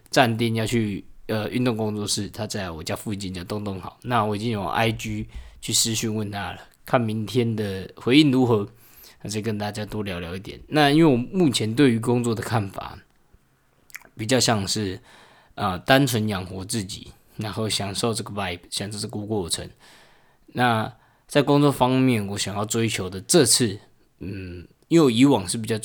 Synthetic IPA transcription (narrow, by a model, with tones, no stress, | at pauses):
ʈ͡ʂa˥˧nt̪̬i˥˨njɑ˥˧ʊt͡ɕʰy˥˩ə˨y˥˧nt̪ʊ˥˩ŋkʊ˥ŋt͡swɔ˥˧ʂɻ̩˥˩t̪ʰa˥t͡sa˥˩ɪwɔ˨˩t͡ɕja˥fu˧˥t͡ɕi˥˩nt͡ɕja˥˧˩t̪ʊ˥˧ŋt̪ʊ˥˩ŋxɑ˨˩˦ʊna˥˩wɔ˨˦i˨˩t͡ɕi˦njo˨˩ŋʔa̰˥ɪt͡ɕy˥t͡ɕʰy˥˩ʂɻ̩˦ɕy˥˧nwə˥˨nt̪ʰa˦lə˨˩ | kʰa˥˩nmi˨˧˥nt̪ʰjɛ˥nd̪ə˨xwe˧˥ɪi˥˩nɻu˧˥xɤ˧˦˧ | t͡sə˥˩˨kə˧˦nt̪a˥˩t͡ɕja˥t̪wɔ˥ljɑ˧˥ʊljɑ˧˥ʊi˥˩t̪jɛ̰˨˩˦nna˥˧i˥nwe˥˩ɪwɔ˨˩mu˥˩t͡ɕʰjɛ˧˥nt̪we˥˩ɪy˧˥kʊ˥ŋt͡swɔ˥˩d̪ə˩kʰa˥˩nfa̰˨˩ | pi˨˩t͡ɕjɑ˥˧ʊɕjɑ˥˧ŋʂɻ̩˥˩ | ə˨t̪a˦nt͡sʰwə˧˦njɑ˨˩ŋxwɔ˧˥t͡sɹ̩˥˩t͡ɕḭ˨˩ | na˧˦nxo˥˩ʊɕjɑ˨˩ŋʂo˥˧ʊʈ͡ʂə˥˩ɡə˩va˥˩ɪpɕjɑ˨˩ŋʂo˥˧ʊt͡sku˥˧kwɔ˥˩ʈ͡ʂʰə̰˧˦ŋ | na˥˨ | t͡sa˥˩ɪkʊ˥ŋt͡swɔ˥˨fɑ˥ŋmjɛ˥˩nwɔ˧˦ɕjɑ˨˩ŋjɑ˥˩ʊt͡swe˥ɪt͡ɕʰjo˧˥ʊd̪ə˨ʈ͡ʂɤ˥˧t͡s̩ʰ˥˩˨ | i˥nwe˥˩wɔ˨˩i˧˥wɑ˨˩ŋʂɻ̩˥˩pi˨˩t͡ɕɑ˥˧